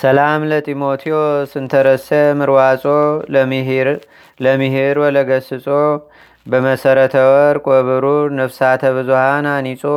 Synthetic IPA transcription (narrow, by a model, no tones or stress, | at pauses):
səlamlət̪ʼimo̞t̪ʰiosɨnt̪ʰəɾəsəmɨɾwat͡ʃʼomɾ | ləmɨhiɾwɔləɡəsɨt͡sʼo | bəməsəɾət̪ʰəwɔɾkʼoβɨɾunəfsat̪ʰəβɨzuhananisʼo